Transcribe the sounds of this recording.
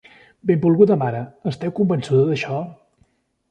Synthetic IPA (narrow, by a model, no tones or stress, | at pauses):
bembulˠɣut̪əmaɾəːst̪ɛwkumbənsuðəðəʃɔ